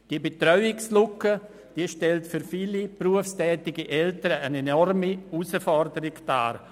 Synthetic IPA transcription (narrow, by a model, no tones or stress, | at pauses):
d̥iːəbetrœʏɪkslʊkə | d̥iəʃtɛltfyɾfiːlipruəfstɛːtɪɡiʔɛltəɾəənenɔrmiusəfɔrdəɾɪɡd̥a̰ːɾ